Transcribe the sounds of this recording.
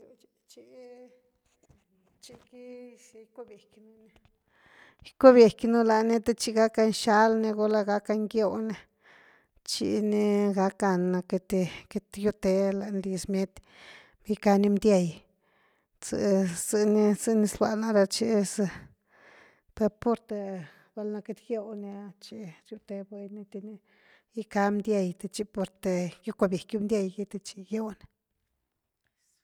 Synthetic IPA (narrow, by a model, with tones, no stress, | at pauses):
jo˧t͡ʃt͡ʃi˧˦ | t͡ʃi˧ki˦˧ | ko˦bje˨kʲnu˧ne˧˦ | ko˦bje˨knu˦la˧ni˦t̪e˦t͡ʃi˧ɡa˦ka˧nʃa˧˦lne˧ɡo˧˦la˧ɡa˦ka˧ŋɡjo˧ne˧ | t͡ʃḭ˧˦ni˧ɡa˧ka˧na˧ke˧t̪e˧ke˧t̪ju˧t̪e˧la˨nli˧smʲe˦t̪ | bi˧ka˧ni˧md̪ʲja˧j | t͡sɨ̰˧zɨ˧ni˦zɨ˦ni˧slwa˧na˧ɾa˧t͡ʃi˧sɨ˧ | pe˧po˦ɾt̪e˧ | ba˧lna˧ke˧t̪ɡjo˦˧wn˧t͡ʃi˧˦ɾju˦t̪e˧ba˧jni˧t̪i˧ni˦ | i˦ka˧md̪ʲja˧jt̪e˧t͡ʃi˧po˧ɾt̪e˧ju˦kʷa˧bʲje˨kju˦md̪ja˧jɡi˦t̪e˧t͡ʃi˧ɡjo˦wne˧